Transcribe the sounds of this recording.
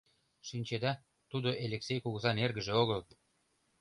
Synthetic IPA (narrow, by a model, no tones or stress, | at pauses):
ʃinʲt͡ɕed̪ɑ | t̪ud̪oʔelʲeksejkuɣəzɑnerɣə̆ʒeoɣəl